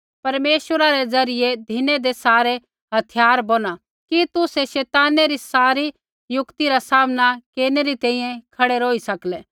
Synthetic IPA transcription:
pɐɾmeːʃəɾaɾɛd͡zɐɾɪed̪ʱɪned̪esaːɾe | ɦɐt̪ʰɪjaːɾbona | kit̪ʊsɛʃɛːt̪aːneɾisaːɾi | jʊkt̪iɾasaːmnakeːneɾit̪ɛ̃ːĩjɛ̃kʰɐɽeɾoːisɐklɛː

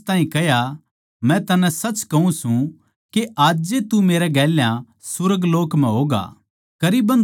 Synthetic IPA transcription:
t̪ãːɦĩkɛja | mɛ̃t̪ɐnɛ̃sɐt͡ʃkɐɦũsũ | keʔaːd͡ʒet̪umeːɾɛɡɛːljã | sʊɾəɡloːkmɛ̃ɦoːɡa̰ː | kɐɾiːbɐ̃n

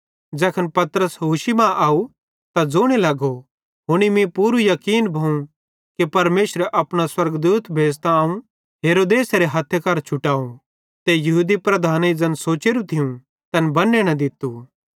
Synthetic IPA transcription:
d͡ʒɛːkʰənpɐt̪ɾəsɦuːʃimãʔaːu | t̪ad͡zoːɽ̃elɐɡo | ɦʊɽ̃imĩpuːɾujɐkiːnbʱɐũ | kepɐɾmeːʃɾeʔɐpɽ̃aswɐɾɡd̪uːt̪bʱeːst̪aaːũ | ɦeːɾoːd̪eːsɾeɦɐt̪ʰjakɐːɾt͡ʃʰʊʈaːũ | t̪ejɐɦuːd̪ipɾɐd̪ʱaːned͡zɐnsoːt͡ʃeːɾũt̪ʰɪjũ | t̪ɐnbɐnːeñɐ̃d̪ɪt̪u

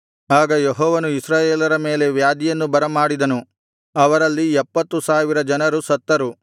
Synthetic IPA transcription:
aːɡɐjeɦɔːʋɐnuisɾaːjeːlɐɾɐme̞ːle̞ʋjaːd̪ijɐnːubɐɾɐmaːɽid̪ɐnu | ɐʋɐɾɐlːiɛpːɐt̪ːusaːʋiɾɐd͡ʒɐnɐɾusɐt̪ːɐɾu

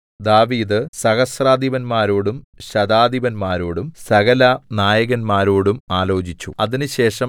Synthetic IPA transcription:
d̪aːʋiːd̪ɨsɐɣɐsraːd̪ʱiʋɐnmaːɾoːɽumɕɐd̪aːd̪iʋɐnmaːɾoːɽumsɐɣɐlɐnaːjɐɣɐnmaːɾoːɽumaːlo̞ːt͡ɕit͡ɕːṵɐðinɨɕe̞ːʂɐm

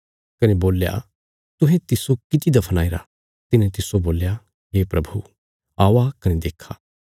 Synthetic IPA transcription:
kɐneboːlja̰ | t̪ʊɦẽt̪ɪsokɪt̪id̪ɐpʰnaːiɾa̰ | t̪ɪnẽt̪ɪsoboːlja | ɦeːpɾɐbʱu | aːʋakɐned̪eːkʰːaː

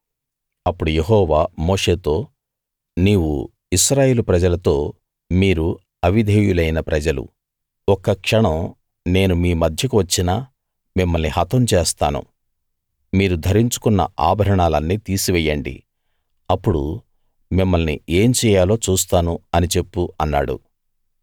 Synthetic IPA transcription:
ɐpːuɽujeɦɔːʋaːmo̞ːʂe̞ːt̪o̞ː | niːwṵ | iʃɾaːje̞ːlupɾɐd͡ʒɐlɐt̪o̞ː | miːɾu | ɐʋid̪ʱeːjulɐjnɐpɾɐd͡ʒɐlṵ | ɔkɐkʂɐɳɐm | ne̞ːnumiːmɐd̪ʱjɐkuʋɐt͡ʃːinaː | mimːɐlnihɐt̪ɐmt͡ʃeːst̪a̰ːnṵ | miːɾud̪ʱɐɾiɲt͡ʃu̥kunːɐ̰ʔa̰ːbʱɐɾɐɳaːlɐnːiːt̪iːsiʋɛjːɐɳɖḭ | ɐpːuɽṵ | mimːɐlnie̞ːmt͡ʃɛːjaːlo̞ːt͡ʃuːst̪aːnuɐnit͡ʃe̞pːuɐnːa̰ːɽṵ

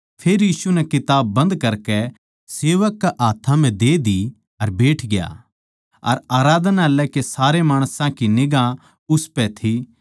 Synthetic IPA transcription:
pʰeːɾjiːsunɛkɪt̪aːbːɐ̃nd̪kɐɾkɛ | seːʋəkːaʔaːt̪ʰãm̤ɛ̃d̪eːd̪i | ɐɾbeːʈʰɡɪja̰ː | ɐɾaːɾaːd̪nalɛkesaːɾemaːɽ̃sãkinɪɡã | ʊspɛt̪ʰi

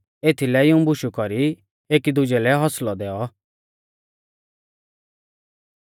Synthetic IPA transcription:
eːt̪ʰilɛɪũbʊʃukɔɾi | eːkid̪ʊd͡ʒɛlɛɦɔslɔd̪ɛːɔ

